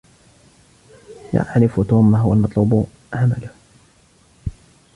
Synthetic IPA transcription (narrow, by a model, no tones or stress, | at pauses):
ja̰ʕʕlɪft̪uːmːaɦʊwalmɑt̪ˤluːb | ʕama̰lʊh